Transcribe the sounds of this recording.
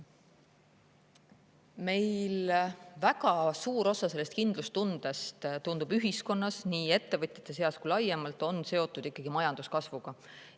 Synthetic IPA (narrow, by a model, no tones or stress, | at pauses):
me̞jlvæɡɑsuːɾo̞sɑse̞lːe̞st̪kind̪̥lust̪und̪̥est̪t̪und̪̥ubyɦisko̞nːɑsniːe̞t̪ːe̞vɤt̪ʲjɑ̥t̪ːˑe̞s̬e̞ɑskujlɑjemɑlt̪ˑo̞nse̞o̞t̪ːˑud̪̥ikːˑɑɡ̥imɑjɑnd̪̥uskɑsvuɡ̥ɑ